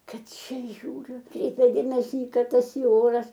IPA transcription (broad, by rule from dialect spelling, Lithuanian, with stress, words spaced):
ˈkɐt ˈt͡ʃʲɛ ˈʒʲuːrʲʊ ˈkrʲɛɪpʲɛ ˈdʲeːmʲɛsʲɪ ɪ ˈkɐt ˈtɐs ɪ ˈoːrɐs